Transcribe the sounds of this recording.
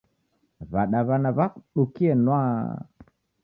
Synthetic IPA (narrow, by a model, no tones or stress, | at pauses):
βaɗaβanaβakɗukiɛnwa